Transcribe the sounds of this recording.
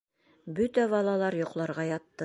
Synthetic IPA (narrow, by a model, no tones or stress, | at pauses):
bɵt̪æβɑlˠɑlˠɑɾjŏqlˠɑɾʁɑjɑt̪ːɤ